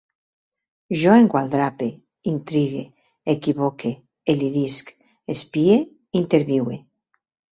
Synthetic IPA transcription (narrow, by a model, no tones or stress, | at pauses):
ʒoeŋɡwald̪ɾape | int̪ɾiɣe | ekiβokʰe | eliðisk | espie | int̪eɾβiwe